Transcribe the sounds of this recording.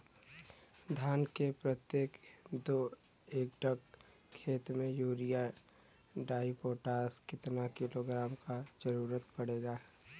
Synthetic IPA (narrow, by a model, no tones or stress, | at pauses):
d̪ʱaːnkepɾət̪jeːkd̪o | eːk̚ɖək | kʰːeːt̪mẽjuːɾija | ɖaːipoːʈaːskɪt̪nakɪloːɡɾaːmkad͡ʒəɾuːɾət̪pəɽeːɡaː